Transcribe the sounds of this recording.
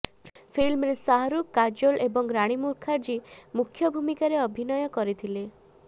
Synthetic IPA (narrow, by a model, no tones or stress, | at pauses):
pʰilmɾesaɦɔɾukːad͡ʒolʔebɔŋɾaɽ̃imuɾkʰaɾd͡ʒimukʰːjɔbʱumikaɾeɔbʱinɔjɔkɔɾit̪ʰile